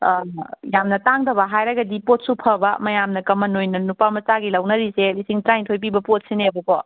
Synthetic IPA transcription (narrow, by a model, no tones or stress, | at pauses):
jamnɐtaŋdɐβɐɦajɾɐɡɐdipot̚supʰɐbɐmɐjamnɐkɐmɐnojnɐnupamɐsaɡilɐwnɐɾiselisiŋtɾajntʰojp̬ibɐpot̚seneɐbukɔ